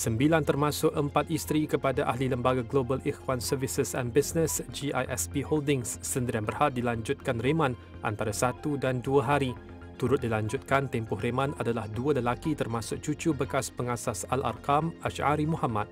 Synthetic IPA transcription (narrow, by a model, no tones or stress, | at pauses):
səmbilant̪ərmãsʊk̚əmpat̪ist̪ɾikəpadaʔahliləmbaɡaɡlobəlixwansəvisəsɛ̰nbisnəsd͡ʒiʔa̰jʔɛ̰spiholdɪŋsːənd̪iɾianbərhat̪̚dilaɲd͡ʒʊt̪̚kanremãn | ʔa̰nt̪aɾasat̪udanduaɦaɾi | t̪uɾʊt̪̚dilaɲd͡ʒʊt̪̚kant̪ɛmpʊhɾemãnadalahdualəlakit̪ərmãsʊk̚t͡ʃut͡ʃubəkaspəŋasasala̰rkamaʃaɾimũhamãt̪̚